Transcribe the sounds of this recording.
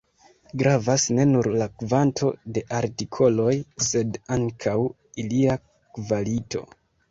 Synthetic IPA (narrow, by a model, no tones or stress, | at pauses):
ɡɾavasne̞nuɾlakvantʰo̞de̞ʔaɾtikʰo̞lo̞jse̞daŋkʰaw | ilia | kvalito̞̰